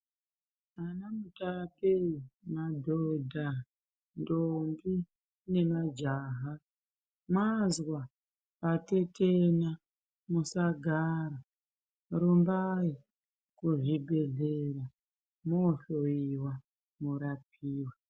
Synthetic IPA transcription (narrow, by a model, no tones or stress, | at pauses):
anamutapemadʱodʱa | ndombi | ne̞mad͡ʒaːɦa | mwazwa | pate̞tʰena | musaɡʱaɾa | ɾumbai | kuʐibʱe̞ɮera | moɬoiwa | muɾap̚ʰiːwa